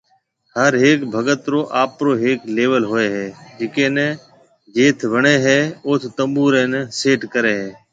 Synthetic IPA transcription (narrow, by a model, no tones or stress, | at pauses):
həɾɦeːkbʱəɡət̪ɾoːʔaːpɾoːɦeːkleːʋəlɦoːeːɦɛːd͡ʒɪkẽːnɛ̃ː | d͡ʒeːt̪ʰʋəɳeːɦɛːʊːt̪ʰt̪əmuːɾẽːnɛ̃ːseːʈkəɾeːɦɛː